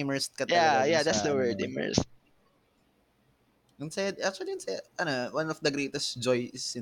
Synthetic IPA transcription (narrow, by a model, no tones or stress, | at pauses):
mɛɹst̪̚kɐt̪jajad̪at̪sd̪ɐwɛ˞d̪ɪ̰mɛ̰st̪̚ | ʊŋsɐjad̪ʔak̚t͡ʃʊɐliʊnsɛʔɐnowãnɔfd̪ɐɡɾejt̪ɛst̪d͡ʒɔjɪsɪ̃